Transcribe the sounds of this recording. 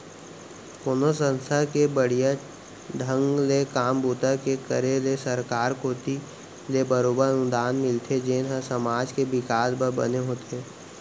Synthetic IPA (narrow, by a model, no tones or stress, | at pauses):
ponosə̃nst̪ʰəkebəɽ̤ijə | ɖʱə̃ŋɡlekaːmbuːt̪əkekəɾelesəɾkaːɾkoːt̪i | lebəɾoːbəɾənʊd̪aːnmɪlt̪ʰed͡ʒeːnɦə̃səmaːd͡ʒkebɪkaːsbəɾbə̰neɦoːt̪eɛː